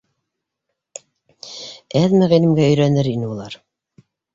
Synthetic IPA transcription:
æðmæʁinɘ̆mɡæɵ̆jɾænɘɾinɘulˠɑɾ

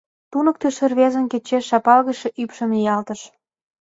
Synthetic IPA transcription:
t̪unə̆k̚t̪eʃə̆rβezə̆nket͡ɕeʃːɑpɑlɣə̆ʃĕʔypʃə̆mjɑlt̪ə̆ʃ

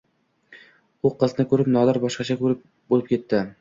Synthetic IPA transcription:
ʊqʰɨznɪkɵɾɪpnɒd̪aɾbɒʃqɑt͡ʃʰakʰɵɾɪp̚ | bolˠɪp̚kʲʰe̞t̪ːɪ

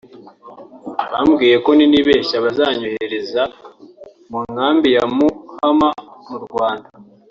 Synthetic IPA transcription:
βamɡiːje̞ko̞niniβeːʃaβazaːɲoheeɾe̞za | muŋhaːmbijamuhamamuɾɡwaːnda

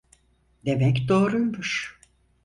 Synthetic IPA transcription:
d̪emɛkd̪oːɾujmuʃ

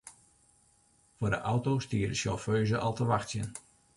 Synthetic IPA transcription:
fʊːrdəʔawtowstiːərdəʃjoføɥzəʔɑlˠtəʋaxtjə̰n

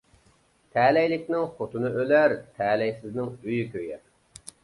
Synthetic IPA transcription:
t̪ʰɛlɛjlɪkʲnɪŋχot̪unɨʔølæɾt̪ʰɛːlɛjsɪznɪŋyjykʲʰøjɛ

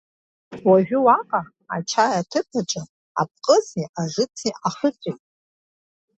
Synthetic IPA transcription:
waʒʷᶣʊwaqʼa | at͡ʃʰajatʰɨpʰaʈ͡ʂʼa | a̰p̚ʼqʼəziaʐɨt͡sʰiʔaχət͡sʷʼijtʼ

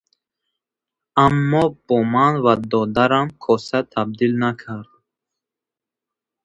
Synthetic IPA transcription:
amːɔb̥ɔmanvad̪ɔd̪aɾamkʰɔsat̪ʰab̚d̪ilnakʰaɾd̪

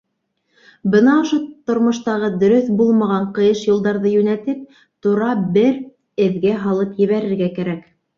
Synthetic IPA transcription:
bɤnɑŏʃot̪ŏɾmŏʃt̪ɑʁɤd̪ɵ̆ɾɵθbulˠmɑʁɑɴqɤ̆jɤʃjŭlˠd̪ɑɾðɤjʉnæt̪ɘp̚ | t̪uɾɑbɘɾ | ɘ̆ðɡæɦɑlˠɤpjɘ̆βæɾɘ̆ɾɡækæɾæk

